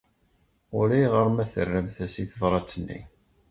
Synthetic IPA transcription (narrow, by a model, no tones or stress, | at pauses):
ʊ̰ɾæjʁəɾˤmæθərːəmθæsiθəvɾˤɑt͡sːənːḭ